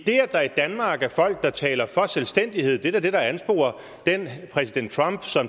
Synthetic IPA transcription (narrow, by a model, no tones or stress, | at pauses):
d̥e̝̰ːɐd̥ɑ̈id̥ænmɑ̈ːɡ̥æɐfɒ̽l̰ɡ̥̚d̥ɑ̈t͡sʰɛ̰ːlɐfɒ̽selsd̥en̰d̥ihe̝ð̞̰ˠd̥e̝ææɐd̥e̝ɾ̥ɑ̈ænsb̥o̝̰ːɐ | d̥enpʰʁɛsid̥en̰d̥̚t͡sʰʁɑ̈mb̥sɒ̽m